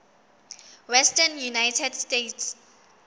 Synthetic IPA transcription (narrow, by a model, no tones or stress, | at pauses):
wɛstɛnjunajtʰɛdstetʰs